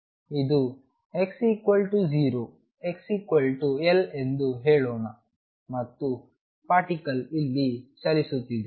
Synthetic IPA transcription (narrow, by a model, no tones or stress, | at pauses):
id̪u | eksikwɐlʈud͡ʒiːɾoː | e̞ksikʋɐlʈuele̞nd̪uɦeːɭɔːnɐ | mɐt̪ːu | paːɾʈikɐlilːit͡ʃɐlisut̪ːid̪e